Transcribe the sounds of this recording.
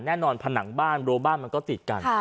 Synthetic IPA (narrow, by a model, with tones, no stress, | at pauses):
nɛː˥˩nɔː˧npʰa˧na˩˦ŋbaː˥˩nɾoː˧baː˥˩nma˧nkɔː˥˩t̪i˨˩t̪̚ka̰˧nʰ˩